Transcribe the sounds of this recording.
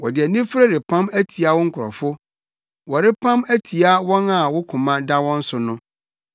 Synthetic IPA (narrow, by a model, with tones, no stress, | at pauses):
wɔ˨dɪ˨ɛ˨nĩ˦fɾa˦dɪ˨pʰã˦mæ˦tʰi˨a˦wʊ˦ŋ̩˦kʰʊ˨ɾɔ̰˨fʊ˦ | wɔ˨ɾɪ˦pʰã˦mæ˦tʰi˨a˦wɔ̃˦na˨wʊ˦kʰʊ̃˨mã˦da˦wɔ̃˦n̩˦sʊ˨nʊ̃˦